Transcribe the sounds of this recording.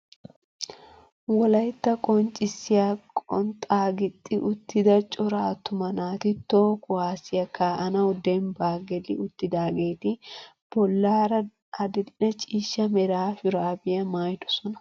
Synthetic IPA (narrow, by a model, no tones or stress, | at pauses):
wɔlɐjt̪ːɐkʼɔnt͡ʃʼɪsːɪjaːkʼɔ̰nt̪ʼaːɡɪt̪ʼːɪʔʊt̪ːɪd̪ɐt͡ʃʼɔɾaːt̪ːʊmɐnaːt̪ɪt̪ːoːkʼʊwaːsɪjɐkːaːʔɐnɐwd̪ɛnbaːɡɛlɪ̰ʊt̪ːɪd̪aːɡeːt̪ɪ | b̥ɔlːaːɾɐ | ɐd̪ɛd̪ɪnɛt͡ʃʼiːʃːɐmɛɾaːfʊɾaːbɪjɐmaːjd̪ɔ̥sɔnɐ̥